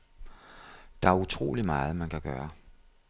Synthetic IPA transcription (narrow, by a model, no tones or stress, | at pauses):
d̥ɑ̈æɐut͡sʰʁo̝̰ːlimɑ̈ːð̞̩ˠmænkʰæɡ̥ɶːɐ